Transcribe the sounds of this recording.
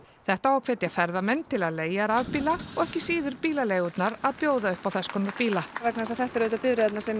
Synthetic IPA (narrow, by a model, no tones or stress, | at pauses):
θɛht̪aawkʰvɛːt̪jafɛɾðamɛnːt̪ʰɪlaðleːjaɾavpiːlaɔɣɛhcɪsiːðʏɾpiːlaleːjɣʏt̪naɾaðpjoːwðaʏhpawθɛskʰɔnːaɾpiːlavɛknasaðθɛht̪aɾvɪːt̪apɪðɾɪðɛt̪nasɛm